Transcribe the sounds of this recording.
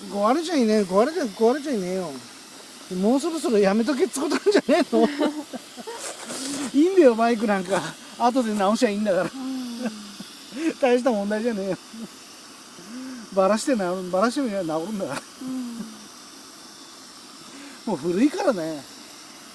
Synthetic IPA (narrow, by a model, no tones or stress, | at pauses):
ɡoβaɾeʑaineokoβaɾed͡ʒakoaɾed͡ʑainejo | moːs̬o̞ɾo̞so̞ɾo̞jame̞t̪̬ok̬et͡sɨ̥kot̪oad͡ʑaneːno | iːnd̪ejomaik̬ɯ̟nãŋkaː | t̪̬o̞d̪enaoɕiaĩːnd̪akaɾa | t̪aiɕit̪amond̪aiʑaneːjo | baɾaɕi̥t̪enabaɾaɕ̬i̥t̪emonaoɾɯ̟̃nd̪akaɾa | moːɸɯ̟ɾɯ̟ikaɾane